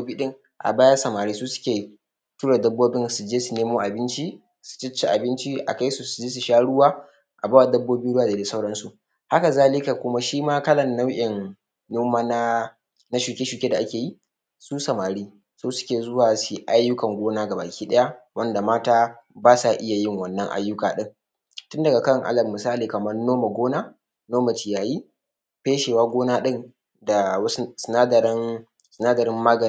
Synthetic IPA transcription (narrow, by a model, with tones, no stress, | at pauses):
bo˦biː˦ɗɪ˦ŋ | ʔa̰˨baː˦jɐ˦sɐ˨maː˨ɾiː˦suː˦sʊ̥˦kʲeː˨ | tuː˦ɽa˨dɐ˦bːoː˦bɪ˦nsu˨d͡ʒeː˦su˨neː˦moː˦ʔa˨bɪ˦nt͡ʃi˦ | su̥˨t͡ʃɪ˦t͡ʃːe˦ʔa˨bɪ˦nt͡ʃi˦ʔa̰˨ka˦jsu˨su˨d͡ʒeː˦s̬u˨ʃaː˦ɽʊ˦waː˦ | ʔa˨baː˦wa˦˨dɐ˦bːoː˦biː˦ɽʊ˦waː˨da˨de˨sa˦wɽɐ˦nsu˨ʔ | ha˦ka˨zaː˦˨lɪ˦ka˨kʷʊ˦ma˦ʃiː˦maː˦kɐ˦lɐ˨nːa˦wʔʲɪ˨nː | ʊ˦maː˦na˦ | na˦ʃuː˨kʲeː˦ʃuː˨kʲeː˦da˨ʔa˦kʲeː˨ji˦ | suː˦sɐ˨maː˨ɽiː˦ | soː˦sʊ̥˦kʲeː˨zʊ˦waː˨si˨ʔa˦jːʊ˦kɐ˨ŋɡʷoː˦naː˦ɡa˨ba̰ː˨kʲiː˦ɗɐ˦ja˦wɐ˦nda˨maː˦taː˦ | baː˦sa˨ʔɪ˦ja˨jɪ˦ŋwɐ˦˨nːɐ˦ŋʔa̰˦jːʊ˦kaː˨ɗɪ˦ŋ | tʊ˦ndɐ˨ɡa˨kɐ˦˨ŋʔa̰˦lɐ˨mːɪ˨saː˦liː˨kɐ˨mɐ˦rnoː˦ma˨ɡʷoː˦naː˦ | noː˦ma˨tɪ˨jaː˨jiː˦ | peː˦ʃe˨waː˦ɡʷoː˦naː˦ɗɪ˦n | da˨˦sɪ˨naː˦dɐ˨ɾɪ˦n | sɪ˨naː˦dɐ˨ɾɪ˦mːaː˦ɡɐ˨n˦